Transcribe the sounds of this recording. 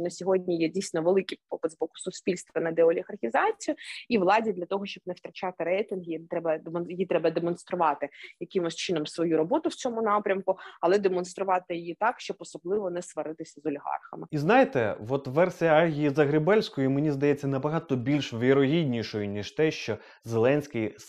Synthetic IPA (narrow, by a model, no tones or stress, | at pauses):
nɐsʲɔɦɔdʲnʲijɛdʲijsʲnɔʋelˠɪkʲippɪd̪ʲzbɔkʊ̥sʊsʲpʲilʲst̪ʋɐnɐd̪eɔlʲiɣɐrxʲizɑt͡sʲijʊiʋlˠɑdʲid̪lʲɐt̪ɔɦɔʃt͡ʃɔb̚nɛwt̪ɾɐt͡ʃɑt̪ɪɾɛjt̪ɪnɦt̪ɾɛbɐd̪mɔnjjit̪ɾɛbɐd̪emɔnst̪ɾʊʋɑt̪ɪjɐkɪmɔsʲt͡ʃɪnɔmsʋɔjuɾɔbɔt̪ʊwt͡sʲɔmʊnɑpɾʲɐmkʊɐlˠɛd̪emɔnst̪ɾʊʋɑt̪ɪjɪjit̪ɑkʃt͡ʃɔbɔsɔblˠɪʋɔnɛsʋɐɾɪt̪ɪsʲɐzɔlʲiɦɑ̰rxɐ̰mɪiznajet̪ɛʋɔt̪ʋɛrsʲijɐaɦʲijizɐɣɾɪbɛlʲsʲkɔjʊmenʲizd̪ɐjɛt͡sʲːɐnɐbɐɦɑt̪ɔbʲilʲʃʋʲiɾɔɦʲidʲnʲiʃɔjʊnʲiʃt̪ɛʃt͡ʃɔ | zelˠɛnʲsʲkɪj